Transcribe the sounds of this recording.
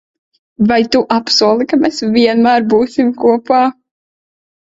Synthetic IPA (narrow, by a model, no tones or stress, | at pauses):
vajt̪uʔapsuɔlˠikamesviɛnmæːɾbuːsimkuɔpaː